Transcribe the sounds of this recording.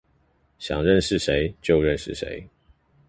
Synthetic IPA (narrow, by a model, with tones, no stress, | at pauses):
ɕjɑ̰˨˩ŋɻə˥˨nʂɻ̩˥˨ʂe˨˦ɪt͡ɕjo˥˨ʊɻə˥˨nʂɻ̩˥˨˩ʂḛ˨˦˥ɪ